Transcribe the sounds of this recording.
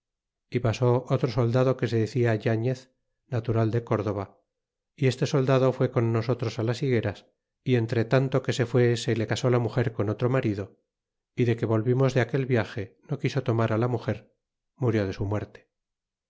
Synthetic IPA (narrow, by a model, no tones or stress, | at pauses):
ipaso̞ʔot̪ɾoso̞ld̪að̞o̞ke̞se̞ðeθiaʝaɲeθ | nat̪uɾald̪e̞ko̞ɾðo̞β̞a | ie̞st̪e̞so̞ld̪aðo̞fwe̞ko̞nːos̬o̞t̪ɾo̞salasiɣe̞ɾas | ie̞nt̪ɾe̞t̪ant̪o̞ke̞se̞fwe̞se̞lekaso̞lamuxe̞ɾkono̞t̪ɾo̞maɾiðo̞ | iðe̞ke̞βo̞lβimo̞zðeake̞lβjaxe̞no̞kiso̞t̪o̞maɾalamuxe̞ɾ | muɾjo̞ðe̞sumwe̞ɾt̪e̥